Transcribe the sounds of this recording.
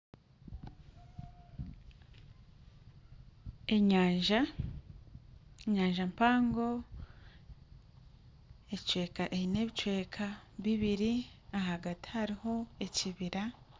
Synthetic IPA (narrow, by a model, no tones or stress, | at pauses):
eɲaːʒa | eɲaːɲʒampaːŋɡo̞ | e̞t͡ʃwe̞ːkaʔeine̞βit͡ʃwe̞ːkʰaβiβiɾiaɦaɡati̥haɾiho̞e̞ciβiɾa